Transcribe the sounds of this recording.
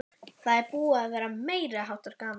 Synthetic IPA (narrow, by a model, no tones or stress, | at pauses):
θaðɛɾpuːavɛːɾameːjɾɪɦawht̪aɾkaːm